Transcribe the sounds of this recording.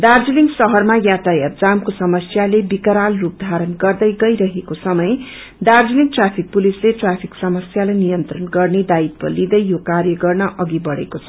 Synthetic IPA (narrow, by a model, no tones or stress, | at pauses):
d̪ard͡zuliŋsʌɦʌrmajat̪ajad͡zamkosʌmʌsjalebikʌɾalrup̚d̪ʱaɾʌnɡʌrd̪ʌjɡʌjɾʌɦekosʌmʌj | d̪ard͡zuliŋʈrapʰik̚pulisleʈrapʰiksʌmʌsjalajnijʌnt̪rʌnɡʌrned̪ait̪̚pʌ̰lid̪ʌjjokarjʌɡʌrnʌʔʌɡibʌɽḛkot͡sʰʌ